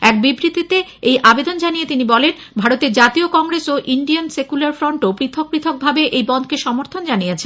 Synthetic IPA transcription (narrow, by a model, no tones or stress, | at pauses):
ɛk̚bibɾit̪it̪eejʔabed̪ond͡ʑanijet̪inibɔlen | bʱaɾot̪eɾd͡ʑat̪iokɔŋɾesoʔiɳɖiansekulaɾfɾoɳʈopɾit̪ʰok̚pɾit̪ʰok̚bʱabeʔejbɔnd̪̚ʱkeʃɔmoɾt̪ʰond͡ʑanijet͡ɕʰen